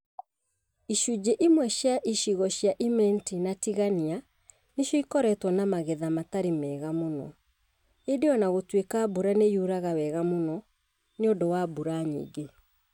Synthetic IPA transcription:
iʃud͡ʑeʔimwɛɕjaʔiʃiɣɔɕjaʔimɛntinatiɣania | neʃjɔikɔɾɛtwɔnamaɣɛðamataɾimɛɣamonɔ̰ | edeɔnaɣotwekaːbuɾanejuɾaɣawɛɣamonɔ | neodowabuɾaɲḭːɡe

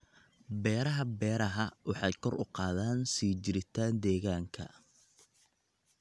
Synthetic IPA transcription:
bɛːɾɐɦɐbɛːɾɐɦɐwɑħɑːt̪kʰɔrʊ̰qɑːðaːnsiːt͡ʃɪɾɪt̪ʰaːnd̪ɛːɣaːŋkʰɐ̰

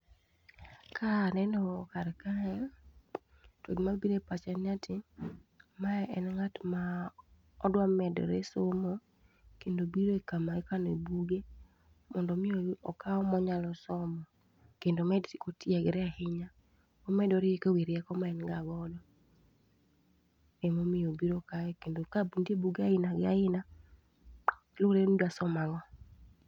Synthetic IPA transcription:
kʰaːnɛnɔkaɾɛkaɛ | twoɡmabiɾepat͡ʃɛnatʰɪ | maɛʔɛnŋatma | ɔdwamɛdɔ̰ɾesomɔ | kendobiɾoekamaekanoebuɡe | mɔndɔmɪoɔkaɔmɔɲalɔsɔmɔ | kendomɛdti̥kotiɛɡɛɾɛahɪɲa | ɔmɛdɔɾeekewiɾjɛkɔmaɛnɡaɡɔdɔ | emomɪjobiɾokaɛkendokabndiebuɡeaɪnaɡɪaɪna | loɾendasɔmaŋɔ

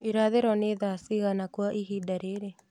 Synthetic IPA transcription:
iɾaːd̪eɾɔned̪aːsiɡanakuaʔiɦidɐɾeːɾe

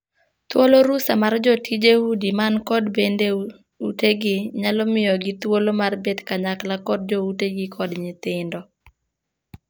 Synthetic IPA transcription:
t̪woloɾusamard͡ʒɔtʰid͡ʒehudimankɔdbende | uteɡɪɲalɔmɪjɔɡɪt̪wolomarbet̪kaɲaklakɔd̚d͡ʒouteɡɪkʰɔdɲɪt̪ɪndɔ

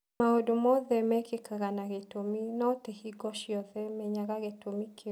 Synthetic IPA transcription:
aodomɔðɛmɛkekaɣanaɣetominɔtehiɡɔʃiɔðɛmɛɲaɣaɣetomike

